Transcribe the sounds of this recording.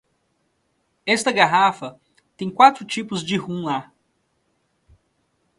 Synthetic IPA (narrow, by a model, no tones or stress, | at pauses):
ɛst̪ɐɡaɦafɐ | t̪ẽj̃kwat̪ɾʊt͡ʃipʊzd͡ʒɪhũla